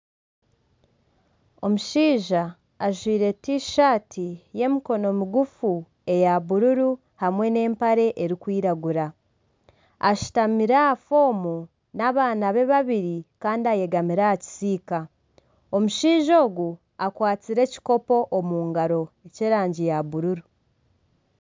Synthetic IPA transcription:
o̞muʃiːʒaː | ʒwiːɾe̞tiʃaːtʰije̞miko̞no̞muɡufu | e̞jaβuɾuɾu | hamwe̞ne̞ːmpaɾe̞ʔeɾikwiːɾaɡuɾa | aʃi̥tamiɾaafo̞ːmu | naβaːnaβe̞βaβiɾikaːndiaje̞ɡamiɾaaci̥siːka | o̞muʃiːʒo̞ːɡu | akwaːt͡siɾe̞ci̥ko̞po̞ʔomuːŋɡaɾo̞eceɾaːɲɟijaβuɾuɾu

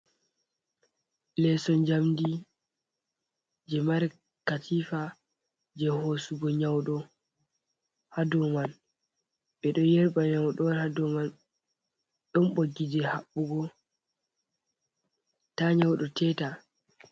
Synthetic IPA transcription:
lɛsɔnd͡ʒamdi | d͡ʒɛmaɾ | katʰifa | d͡ʒɛhosuɡɔɲawɗɔ | hadɔman | ɓɛɗɔjɛɾɓaɲawɗɔnhadɔman | ɗɔnɓoɡid͡ʒɛhaɓːuɡɔ | taɲawɗɔtɛːta

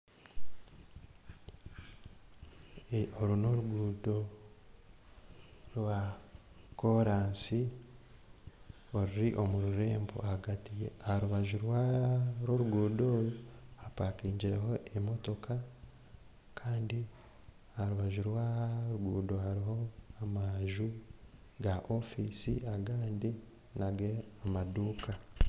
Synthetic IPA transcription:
eoɾuno̞ɾuɡuːdo | ɾwa | koɾaːnsi | o̞ɾiɾiʔo̞muɾuɾe̞ːmbo̰haɡatijeaɾuβaʒuɾwaɾoɾuɡuːdo̞ːjuhapakiːɲɟiɾeɦo̞ʔemo̞to̞ka | kʰaːndi | ahaɾuβaʒuɾwaɾuɡuːdo̞haɾiɦo̞amaʒu | ɡaʔo̞fisḭaɡaːndi | naɡe̞amaduːka

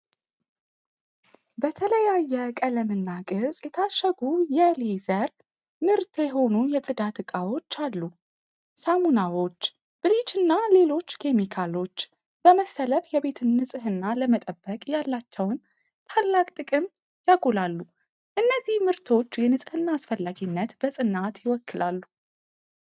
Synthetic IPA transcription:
bət̪ʰələjajːɛkʼələmɨnːaɡʼɨsʼjɛt̪ʰaʃːəɡujɛlizəɾ | mɨɾt̪ʰjɛɦo̞nujɛsʼɨd̪at̪ʰɨkʼawo̞t͡ʃːalːu | samunawo̞t͡ʃː | b̥ɨlit͡ʃɨnːale̞lo̞t͡ʃːkʰe̞mikʰalo̞t͡ʃː | b̥əməsːələfjɛbe̞t̪ʰɨnːɨsʼɨɦɨnːaləmət̪ʼəbːəkʼjalːat͡ʃːɛwn | t̪ʰalːakʼt̪ʼɨkʼɨm | jakʼulalːu | ʔɨnːəzːihmɨɾt̪ʰo̞t͡ʃːjɛnɨsʼɨhɨnːaːsfəlːaɡinːət̪bəsʼɨnːat̪jɪwɔkːɨlʔalːu

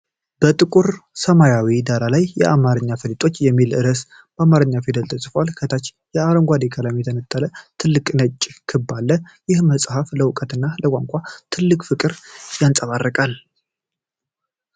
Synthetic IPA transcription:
b̥ət̪ʼɨkʼuɾsəmajawid̪aɾalajːɛ̰ʔamaɾɨɲːafəlit̪ʼo̞t͡ʃːjɛmːilɨɾəs | b̥əamaɾɨɲːafid̪əlt̪ʰəsʼfoalkʰət̪ʰat͡ʃ | jɛaɾəŋɡʷad̪ekʰəlamɛt̪ʰənət̪ʼːalət̪ʰɨlːɨkʼnət͡ʃʼːkʰɨbːalːə | jɪhməsʼhafləwʊkʼət̪ɨnːaləkʷʼaŋkʷʼat̪ʰɨlːɨkʼfɨkʼɨɾjansʼəβarːəkʼal

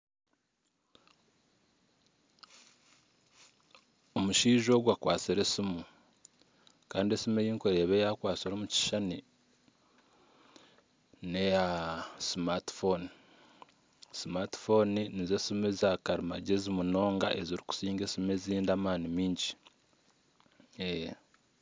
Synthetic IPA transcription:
omuʃiːʒo̞ːɡwakwaːt͡siɾesimu | kaːndiesimejiːŋkeɾeːβejakwaːt͡siɾomuci̥ʃani | nejasimati̥foni | simati̥fo̞ninizesimezakaɾimaɟezimuno̞ːŋɡa̰ʔe̞ziɾiku̥siːŋɡe̞simeziːndaːmaːnimiːɲɟi | e

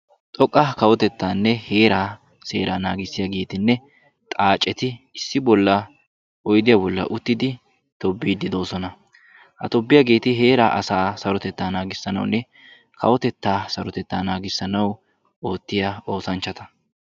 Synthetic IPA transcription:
t̪ʼɔkʼːɐkɐwɔt̪ɛt̪ːaːnːɛhe̞ːɾaː | se̞̰ːɾaːnaːɡɪsːɪjaɡe̞ːt̪ɪnːɛ | t̪ʼaːt͡ʃʼːɛt̪ɪɪsːɪbɔlːɐ | ɔjd̪ɪjabɔlːɐ̰ʔʊt̪ːɪd̪ɪ | t̪ɔbːiːd̪ɪd̪o̞ːsɔnɐ | hɐ̰t̪ɔbːɪjaɡe̞ːt̪ɪɦe̞ːɾaːʔɐsaːsɐɾɔt̪ɛt̪ːaːnaːɡɪsːɐnɐ̰wnːɛ | kʰɐwɔt̪ɛt̪ːaːsɐɾɔt̪ɛt̪ːaːnaːɡɪsːɐnɐw | o̞ːt̪ːɪjao̞ːsɐnt͡ʃːɐt̪ɐ̥

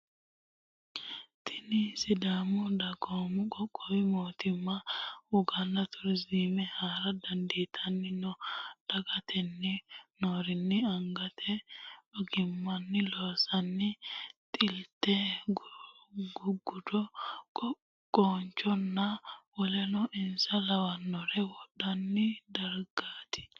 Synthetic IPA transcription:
t̪ʰɪniːsɪd̪aːmɔd̪ɐɡomkʼɔkʼːɔwɪmoːt̪ɪmːawɔɡanːɐt̪ʰʊɾziːmɛhaːɾɐd̪ɐnd̪iːt̪ʰɐnːɪnɔd̪̥ɐɡɐt̪ʰɛnːɪnoːɾɪnːɪɐŋɡɐt̪ʰɛɔɡɪmːɐnːɪloːsɐnːɪt̪ʼɪlt̪ɛɡ | ɡʊɡʊd̪ɔ | kʼoːnt͡ʃɔnːɐwɔlɛnɔʔɪnsɐlɐwɐnːɔɾɛwɔɗɐnːɪd̪ɐɾɡ̥aːt̪ʰɪ̥

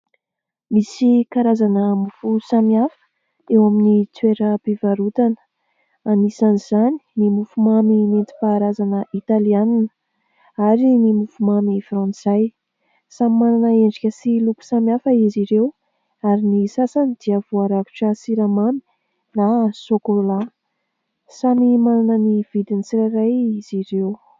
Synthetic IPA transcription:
misikaɾazanəmufusamiafə̥ | ewaminit͡sweɾəbivaɾut̪anə̥ | anisaniz̥ani̥nimufumaminent̪i̥paːɾazanəʔit̪alianinə̥ | aɾinimufumamifɾɑ̃nt͡saj | samimananəeɳɖ͡ʐikʲəsiluku̥samiafəiziɾew | aɾinisasanid̪iəv̥uaɾaku̥ʈ͡ʂəsiɾamami̥ | nasokola | samimananəniv̥id̪init͡siɾaɾajiz̥iɾew

